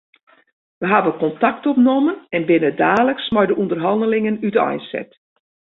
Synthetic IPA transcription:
ʋəɦaʋəkɔntak̚tɔpnomənɛnbɪnədaːləksmɔjdəʔundərɦɑndəlɪŋənydəa̰jsɛ̰t

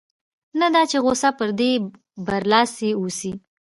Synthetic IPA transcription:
nad̪ɑt͡ʃeɣosapəɾd̪e | baɾlɑseosi

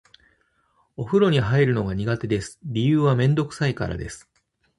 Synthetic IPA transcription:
o̞ɸɯ̟ɾo̞ɲ̟iɦaiɾɯ̟no̞ɡaɲ̟iɡat̪e̞d̪e̞sɨ̥ɾʲijɯːβamẽ̞nd̪o̞kɯ̟̥saika̰ɾa̰d̪e̞sɨ̥

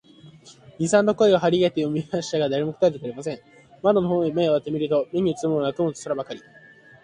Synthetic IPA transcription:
ɲʲisãnd̪o̞ko̞eɡoɦaɾʲiɡe̞t̪e̞jomʲimaɕi̥t̪aɡad̪aɾemokɯ̥ad̪ek̪aɾʲimasẽ̞ŋ̃ | mad̪onohõːime̞oβat̪ːemʲiɾɯ̟t̪o̞me̞ɲ̟iɯ̟t͡sɨmɯːnakɯmot͡so̥sɨɾabakaɾʲi

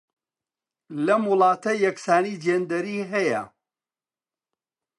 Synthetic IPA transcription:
lɐmwʊlˠɑːt̪ɐjɐksaːniːd͡ʒeːnd̪ɐɾiːɦɐjɐ

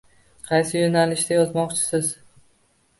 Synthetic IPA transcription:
qʰɑjsɪjonalɪʃd̪ajɒzmɒqt͡ʃʰɪ̥sɪz

